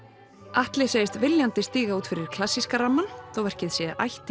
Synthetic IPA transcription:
aht̪lɪseːjɪst̪vɪljant̪ɪst̪iːɣauːt̪fɪɾɪɾ̥kʰlasːiskaɾamːanθowvɛɾ̥cɪðsjɛʔa̰jht̪

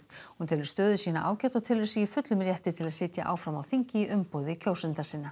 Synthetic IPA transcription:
hunt̪ʰɛlvɪɾ̥st̪œːðʏ̥siːnaʔa̰ːwcɛt̪ɔɣt̪ʰɪːlvɪɾsɛjɪfʏt̪lʏmɾjɛht̪ɪt̪ʰɪlaðsɪːt̪ja̰ʔa̰ːwfɾamawθiɲcɪiʔʏmpowðɪicʰoːwsɛnt̪asiːnːa

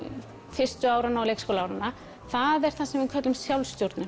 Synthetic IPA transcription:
fɪ̥st̪ʏaːwɾanːaɔwlejkskowlawɾanːa | θaðɛɾ̥θasɛmvɪðkʰœt̪lʏmsjawlst̪jowɾt̪nʏ

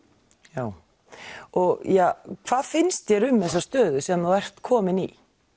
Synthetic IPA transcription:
jaːw | ɔɣjɛkʰv̥aːðfɪnst̪jɛɾʏmːðɛs̬ːast̪œːðʏsiːðamnawɛr̥t̪kʰɔːmɪnḭ

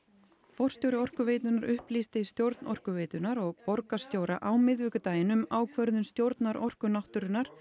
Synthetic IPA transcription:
fɔr̥st̪jowɾɪɔr̥kʏveːjt̪ʏnaɾʏhplist̪ɪist̪jowɾt̪nɔr̥kʏveːt̪ʏnaɾɔɣpɔɾkast̪jowɾaʔawmɪðvɪːkʏt̪aːjɪnʏmaːwkʰvœɾðʏnst̪jowɾt̪naɾʔɔr̥kʏnaht̪ʏɾʏnaɾ̥

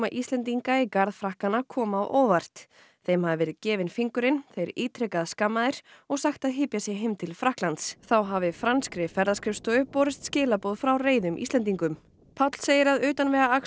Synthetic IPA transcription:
maʔist̪lɛnt̪iŋkaikaɾðfɾahkanakʰɔːmawʔɔːvar̥t̪ | θejmhavɪvɛːɾɪðcɛːvɪnfiŋkʏɾɪnθejɾiːt̪ʰɾɛkaðskamːaðɪɾ̥ɔɣsaxt̪aðɦɪːpjasjɛɦɪmt̪ʰɪlfɾahklant̪sθawɦavɪfɾanskɾɪfɛɾðaskɾɪfst̪œʏpɔːɾɪst̪scɪːlapowðfɾawreːjðʏmʔḭst̪ɛnt̪iŋkʏm | pʰawt̪l̥seːjɪɾaðʏːt̪anvɛɣaa

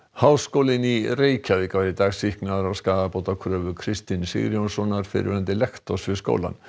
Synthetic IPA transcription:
hawskowlɪnireːjcavɪkaɾɪt̪aːɣsihknaðɾawskaːðapoːwt̪akʰɾœːvʏkʰɾɪst̪ɪnsɪ̰ɣɾjownsɔnːaɾ̥fɪ̰ɾɪ̰ant̪ɪlɛxt̪ɔsvɪ̥sko̰wla̰n

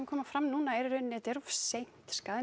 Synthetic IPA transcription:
nkʰɔːmafɾamnuːnaɛɾɾʏnɛt̪ɛɾfsejn̥t̪skaːð

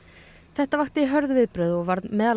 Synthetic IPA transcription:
θɛht̪avaxt̪ɪɦœɾðvɪðpɾʏðɔɣvaɾðmɛːðal

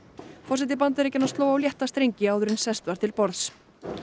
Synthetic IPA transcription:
fɔs̬ɛt̪̬ɪpant̪ɛɾecːɪnːast̪loːwawljɛht̪ast̪ɾejɲcɪaːwðʏɾɪnsɛst̪vaɾ̥t̪ʰɪlpɔɾðθs

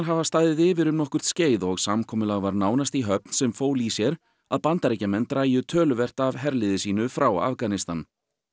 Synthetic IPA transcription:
ɦavast̪aːðɪðɪːvɪɾʏmnɔhkʏɾ̥t̪sceːjðɔɣsamkʰɔːmʏlaɣvaɾnaːwnast̪iɦœp̚nsɛmfoːwlisjɛɾ | aðpant̪aɾejcamɛnt̪raːjʏt̪ʰœːlʏvɛr̥t̪avɦɛɾlɪðɪsiːnʏfɾawa̰fkanɪst̪an

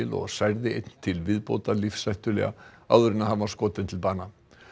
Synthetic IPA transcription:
ɪlɔ̰ɣsajɾðɪejt̪n̥t̪ʰɪlvɪðpo̰ːwt̪alifsajht̪ʏlɛ̰ɣa̰a̰wðʏɾɪnaɦavaskɔːt̪ɪnt̪ʰɪlpaːna

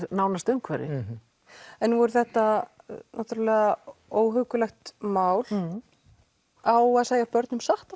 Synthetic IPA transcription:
nawnast̪ʏmkʰvɛ̰ːɾɪ̰ | ɛnːuvɔɾʏθɛht̪a | nʔaht̪yɾalɛɣaoːwɦœwkʏlɛxt̪maːwl | awaðsaːɣjapœɾt̪nʏmsaht̪a

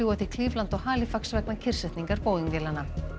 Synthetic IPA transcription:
uːwaθikʰliːvlant̪ɔɣhaːlɪfaksvɛknacʰɪr̥sɛht̪niŋkaɾpoːwðiŋkvjɛːlanːa

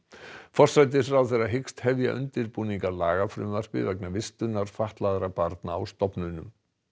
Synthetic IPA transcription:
fɔr̥sajt̪̬ɪfɾawθɛɾaɦɪkst̪hɛvja̰ʔʏ̰nt̪ɪɾpuːniŋkalaːɣafɾʏ̰maɾ̥pɪ̰vɛknavɪst̪ʏnaɾ̥faht̪laðɾapaɾt̪naːwst̪ɔpnʏnʏm

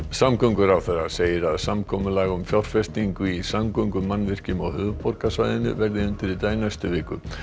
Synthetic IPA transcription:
samkœŋkʏɾawθɛɾaseːjɪɾaðsamkʰɔːmʏlaːɣʏmfjawr̥fɛst̪iŋkʏisamkœŋkʏmanːvɪr̥cɪmɔhʏːvʏpɔrkasvaːjðɪnʏ̰vɛɾðɪʏnt̪ɪɾit̪aːjnast̪ʏvɪːkʏ

